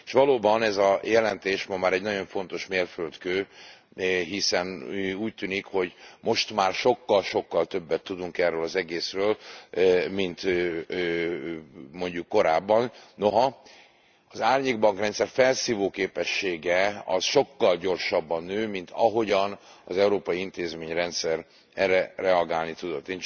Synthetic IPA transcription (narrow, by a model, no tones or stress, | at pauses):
eʃʋɒloːbɒnɛzɒjɛlɛnt̪eːʃmɒmaːɾɛɟnɒɟo̞ɱfo̞n̪t̪o̞ʃmeːrfølt̪køː | ɦisɛnuːc̚t̪yːnikho̞ɟmo̞ʃt̪maːrʃo̞kːɒlʃo̞kːɒlt̪ø̞bːɛt̪ːud̪uŋkɛrøːlɒzɛɡeːsrøːl | mint̪ː | mo̞ɲɟukːo̞ɾaːbːɒnno̞ɦɒ | ɒzaːrɲeːɡbɒŋkrɛnt̪sɛrfɛlsiːvoːkeːpɛʃːeːɡɛɒ̰sʃo̞kːɒlɟo̞rʃɒbːɒnːøːmint̪ɒɦo̞ɟɒnɒzɛuɾoːpɒjiint̪eːzmeːɲrɛnt̪sɛr | ɛrɛrɛɒɡaːlnit̪ud̪o̞t̪ːeːn